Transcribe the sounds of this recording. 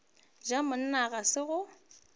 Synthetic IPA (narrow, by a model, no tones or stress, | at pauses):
d͡ʒamʊnɪnaɣasɪɣʊ